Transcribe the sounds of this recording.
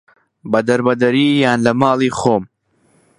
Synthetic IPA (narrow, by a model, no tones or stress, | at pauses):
bɐd̪ɐɾbɐd̪ɐɾiːjaːnlɐmaːlˠiːxoːm